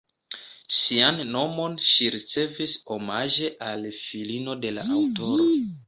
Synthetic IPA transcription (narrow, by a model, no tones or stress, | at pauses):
ʃianːo̞mo̞nʃiɾit͡se̞viso̞maʒe̞ʔalfilino̞de̞la̰ʔawto̞ɾo̞